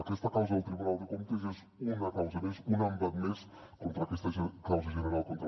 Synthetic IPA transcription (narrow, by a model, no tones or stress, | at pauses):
əkɛst̪əkawzəðəlˠt̪ɾiβunalˠd̪əkomt̪əzez | unəkawzəmezunəmbat̪mes | kont̪ɾəːkɛst̪əʒkawzəʒənəɾalˠkont̪ɾ